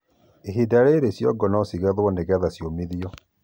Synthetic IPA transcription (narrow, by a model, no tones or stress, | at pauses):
eɦidaɾeɾesjɔ̰ɡɔnɔsiɣaðwɔneɣaðasjomiðiɔ